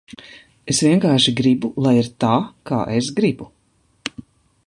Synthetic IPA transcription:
esviɛŋkaːɾʃiɡɾibulˠajiɾt̪aːka̰ːʔes̬ɡɾibu

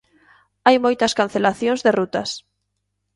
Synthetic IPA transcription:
ajmojt̪ɐskan̟θelaθjõŋzðerut̪ɐs

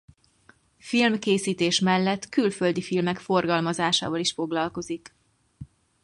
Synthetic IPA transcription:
filmkeːsiːt̪eːʃmɛlːɛt̪ːkylføld̪ifilmɛkfo̞rɡɒlmɒzaːʃa̰ːvɒliʃfo̞ɡlɒlko̞zik

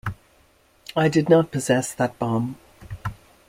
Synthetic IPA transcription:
aɪdɨdⁿnət̚pʰɨzɛsðət̚b̥ɑ̃m

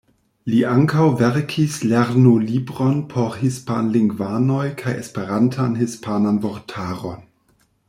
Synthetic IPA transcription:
liʔaŋkʰawveɾkʰisleɾnulibɾonpʰoɾhispanliŋɡvanojkʰajḛspeɾantʰanhispʰananvoɾtʰaːɾon

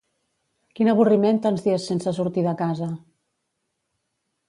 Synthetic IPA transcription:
kinəβ̞uriment̪anzðiesːensəsuɾt̪iðəkazə

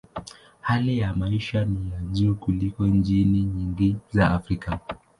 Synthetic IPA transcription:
halijamaiʃanijaʄuːkulikɔɲd͡ʒiniɲiŋɡizaːfɾika

